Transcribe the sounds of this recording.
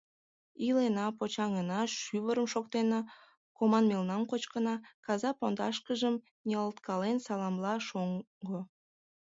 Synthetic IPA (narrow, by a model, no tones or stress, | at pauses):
ilenɑpot͡ɕɑŋənɑʃyβəɾəmʃokt̪enɑ | komɑnmelnɑmkot͡ɕkənɑkɑzɑpond̪ɑʃkəʒəm | nʲeəlt̪kɑlensɑlɑmlɑʃoŋ | ɡo